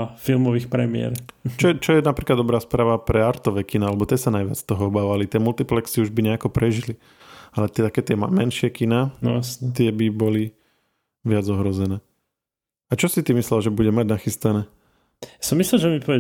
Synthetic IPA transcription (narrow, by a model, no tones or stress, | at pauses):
filˠmɔʋiːxpɾɛmiɛ̰ɾt͡ʃɔɛt͡ʃɔjɛnapɾiklad̪ːɔbɾaːspɾaːʋapɾɛaɾt̪ɔʋɛkinaalɛbɔt̪ɪɛsanajʋɪat͡st̪ɔɦɔɔbaːʋalit̪ɪɛmult̪iplɛksiuʒbiɲɛakɔpɾɛʒili | alɛt̪t̪akɛːt̪ɪɛmamɛnʃɪɛkinaːnjasɲɛt̪ɪɛbibɔli | ʋɪad͡zɔɦɾɔzɛnɛː | at͡ʃɔsit̪imislɛlʒɛbuɟɛmaɟnaxist̪anɛː | jasɔmːislɛlʒɛmipɔʋɛ